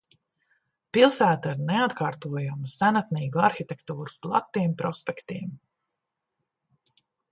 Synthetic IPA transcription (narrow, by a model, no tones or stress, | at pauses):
pilˠsæːt̪aiɾneat̪kaːɾt̪uɔjumusænat̪niːɡuaɾxit̪ʲɛkt̪uːɾuplˠa̰t̪ːimpɾɔspɛkt̪iɛm